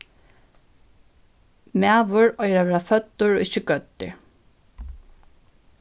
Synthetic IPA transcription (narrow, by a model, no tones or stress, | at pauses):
mæːʋʊɹɔjɾaʋɛːafœt̪ːʊɹɔ̰ːʔɪçɪɡœt̪ːɪ̰ɹ